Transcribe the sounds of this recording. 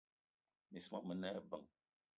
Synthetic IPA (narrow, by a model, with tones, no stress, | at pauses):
mi˨sma˦mə˨˦nɛ˦˨bə˨ŋ